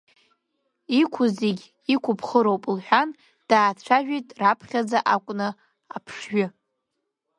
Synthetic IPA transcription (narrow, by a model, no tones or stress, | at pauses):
ikʷʰʊziɡʲ | ikʷʰʊpʰχəɾowpʼlħᶣan | d̥aːʈ͡ʂʷʰaʒᶣijtʼrapʰχʲad͡zaʔakʷʼnɨ | apʰʂɥʷʏ